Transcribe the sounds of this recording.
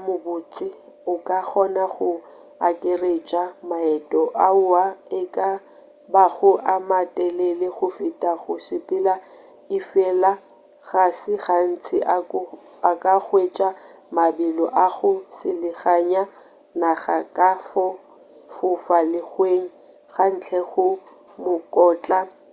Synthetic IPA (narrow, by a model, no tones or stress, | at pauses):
mʊbʊt͡sʼɪʊkʼak͡xɔnaχʊ | akʼɪret͡ʃʼamaɛtʼɔʔaʊaɪkʼa | baɣʊʔamatʼɛlɛlɪχʊfitʼaɣʊsɪpʼɪla | ɪfɛla | ɣasɪɣan̩t͡sʰɪʔaakʼaχwet͡ʃʼa | mabɪlɔʔaɣʊsɪlɪɣaɲa | naɣakʼafɔ | fʊfalɪχweŋ̩ | ɣan̩t͡ɬʰɛɣʊ | mʊkʼɔːt͡ɬʼa